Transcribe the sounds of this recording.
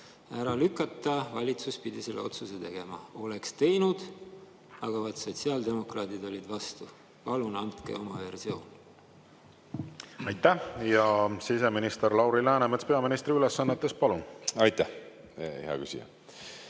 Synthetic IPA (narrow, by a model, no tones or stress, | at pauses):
æɾɑlykːˑɑt̪ːˑɑvɑlʲit̪suspid̪̥iselːeo̞t̪suset̪e̞ɡ̥e̞mɑ̰o̞le̞kst̪e̞jnud̪̥ | ɑɡ̥ɑvɑd̪̥so̞t̪siɑld̪e̞mo̞krɑːd̪id̪o̞lʲid̪vɑst̪u | pɑlunɑnt̪kḛo̞mɑve̞rsio̞ːn | ɑjt̪ːˑæjɑsise̞minist̪eɾlɑwɾilæːnemet̪speɑminist̪ɾiylesːɑnːet̪ːˑespɑlunɑjt̪ːæh | heɑ̰kysḭjɑ̰